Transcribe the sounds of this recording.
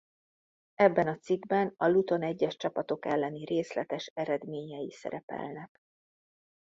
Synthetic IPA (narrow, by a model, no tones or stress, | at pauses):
ɛbːɛnɒt̪siɡbɛnɒlut̪o̞nɛɟːɛʃt͡ʃɒpɒt̪o̞kɛlːɛnireːslɛt̪ɛʃɛɾɛd̪meːɲɛjisɛ̰ɾɛpɛ̰lnɛk